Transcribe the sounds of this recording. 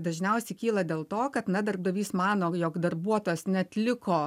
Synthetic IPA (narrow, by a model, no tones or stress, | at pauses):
d̪ɐʒʲnʲɛʊsʲɛɪkʲiːlˠɐd̪ʲeːlˠt̪oːkɐt̪nɐd̪ɐrb̚d̪ɐʋʲiːsmɑːnoːjoːkd̪ɐrbuɔt̪oːjoːsnʲɛɐt̪ʲlʲɪkoː